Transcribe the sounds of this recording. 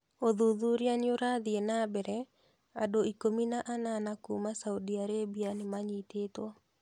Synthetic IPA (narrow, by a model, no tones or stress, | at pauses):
oðuðuɾjanjoɾaðɪenabɛɾɛ | a̰doikominaʔananakumasaudiaɾebianɪmaɲitet̪wo